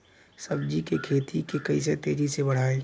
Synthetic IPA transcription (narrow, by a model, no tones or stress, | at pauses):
səbd͡ʒikekʰeːt̪ʰikekɐis̬et̪eːd͡ʒisebəɽ̤aːẽ